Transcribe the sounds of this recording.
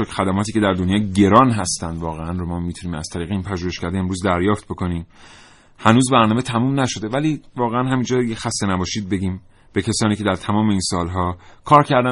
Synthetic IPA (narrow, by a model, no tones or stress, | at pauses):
okxæd̪æmɒːt̪ʰiːcʰe̞d̪æɾd̪o̞njɒːɟe̞ɾɒːnɦæst̪ænd̪vɒːɣeænromɒːmiːt̪ʰuniːmæ̰z̥t̪ʰæɾiːɣeiːnpʰæʒuːhe̞ʃcæɾd̪eemɾuːzd̪æɾjɒːft̪̚bo̞kʰo̞niːm | hænuːzbæɾnɒːme̞t̪ʰæmumnæʃo̞d̪e̞væliːvɒːɣeænhæmiːnd͡ʒɒːd̪jexæst̪enæbɒːʃiːd̪̚be̞ɟiːm | b̥e̞cʰesɒːniːcʲʰeæɾt̪ʰæmɒːme̞iːnsɒːlɦɒːkʰɒːɾcʰæɾd̪æ